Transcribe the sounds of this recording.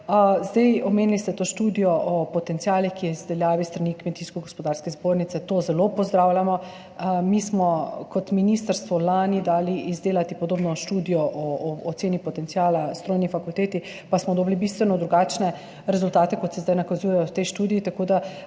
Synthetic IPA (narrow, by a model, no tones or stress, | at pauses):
əzd̪ajɔmeːnilist̪ɛt̪oːʃt̪uːd̪ijɔʔɔpɔt̪ɛnt̪sijaːlixkiɛizd̪ɛljaːʋist̪ɾanikmɛnt̪iskɔɡɔspɔd̪aːɾskɛzboːɾnitsɛt̪oːzɛlopɔzd̪ɾawlʲjamɔ | mismɔkɔt̪minist̪aɾst̪ʋɔlanid̪aːliʔːzd̪eːlat̪ipoɔd̪oːbnɔʃt̪uːd̪ijɔʔɔːt̪senipɔt̪ɛnsiaːlast̪ɾoːjnifakult̪eːt̪i | pasmɔd̪ɔblibist̪ʋɛnɔd̪ɾuɡaːt͡ʃnɛ | ɾɛzult̪aːt̪ɛkɔt̪sɛzd̪ajnakazuːjɛjɔwt̪ɛjʃt̪uːd̪ijit̪akoːd̪a